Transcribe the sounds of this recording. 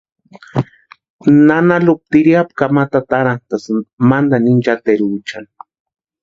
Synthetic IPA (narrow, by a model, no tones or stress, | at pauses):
nanalup̚t̪iɾiap̚kamat̪at̪aɾant̪asmand̪anint͡ʃat̪eɾut͡ʃan